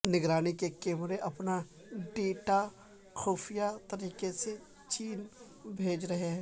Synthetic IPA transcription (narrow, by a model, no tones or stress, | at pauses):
nɪɡɾaːnikekeːmɾeʔɐpna | ɖeːʈa | xuːfʰijat̪ɐɾiːkese | t͡ʃiːn | bʱeːd͡ʒɾɐɦeɦɛ̃ː